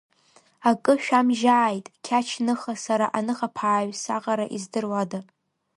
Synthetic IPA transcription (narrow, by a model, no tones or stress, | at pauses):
akʼɨʃᶣamʒaːjtʼkʲʰat͡ʃʰnɨχasaɾa̰ʔanɨχapʰaːɥsaqʼaɾaʔizdɨrwadɨ